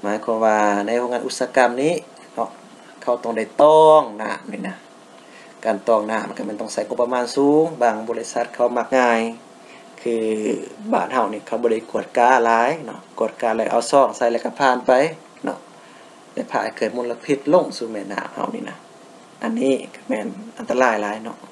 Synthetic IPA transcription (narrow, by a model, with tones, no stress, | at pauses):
maː˨˦jkʰɔː˧mʋaː˧na˧˨jhu˧ŋaː˧nʔu˧t̪̚saː˧ka˧˨mniː˧˥˨ | nɔ˧ʔ | kʰa˧˩wt̪ɔ˧ŋda˧˩jt̪ɔː˧ŋna̰ː˧˩˨mni˧˩na˧ | kaː˨nt̪ɔː˧˩ŋnaː˧˩˨ma˧˨ka˧mɛ˧˥˨nt̪ɔ˧˩ŋsa˧˩jŋo˧˥pːa˧maː˧˥˨nsuː˨˦ŋbaː˧˩ŋbɔː˧˨li˧sa˧˦t̪̚kʰa˧˩wma˧k̚ŋaː˧˩j | kʰɯː˧baː˧˩˨nha˧˩wniː˧˨kʰa˧˩wbɔː˧˨a˧˩jku˧˩ət̪̚kaː˧˨laː˨˧˦jnɔ˧ʔku˧˩ət̪̚kaː˧˩˨lɛ˧˩ʔa˧˩wsɔː˧˩ŋsa˧jlɛ˧˥ka˧˩pʰaː˧˨npa˧˨j | nɔ̰˧˩ʔ | lɛ̰˧˨pʰaː˧˩˧kʰɯː˧˨˩tmu˧˨nla˧pʰi˧˥t̪̚lo˧˨ŋsuː˧mɛː˧˨nːa̰ː˧˩mha̰˧wnḭː˧˨na˧ | ʔa˧˨nːiː˧˥˨ka˧˩mɛː˧˩nʔa˨nt̪a˧laː˧˩˨jlaː˨˦jnɔ̰˧ʔ